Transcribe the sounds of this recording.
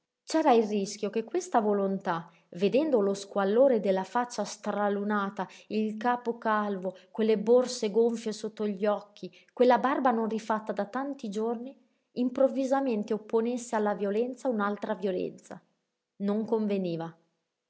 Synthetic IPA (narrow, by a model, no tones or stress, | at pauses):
t͡ʃɛːɾairrisk̟jokekːwest̪avolont̪a | ved̪ɛnd̪oloskwalːoːɾed̪elːafat͡ʃːast̪ɾalunaːt̪ailkaːpokalvokwelːeborseɡoɱfjesot̪ːoʎːɔkʰːi | kwelːabarbanonrifat̪ːad̪at̪ant̪id͡ʒorniː | mpɾovːizament̪eopːonesːealːavjolɛnt̪saunalt̪ɾavjolɛ̰nt̪sa̰ | noŋkoɱveniːva